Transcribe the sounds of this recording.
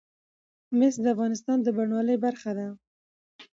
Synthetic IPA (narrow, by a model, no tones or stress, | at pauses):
mɪsd̪əafɣɑnɪst̪ɑnd̪əbaɳwɑləjbaɾxad̪a